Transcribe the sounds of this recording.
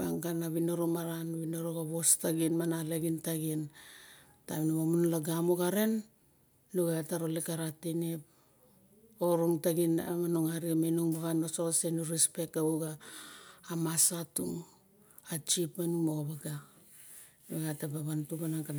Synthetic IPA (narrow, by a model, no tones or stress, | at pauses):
baŋkanaβinoɾomaɾanβinoɾoɡaβo̞staɡinmanaleɡintaɡin | taβinomamunlaɡamoɡaɾe̞n | luɡeataɾo̞lekaɾatenep̚ | oɾuŋtaɡinamanuŋaɾiamenuŋbaβanososenuɾispe̞k̚tauɡaː | masatuŋ | at͡ʃipanumoβaɡa | eɡatabaβantuɡanaŋkan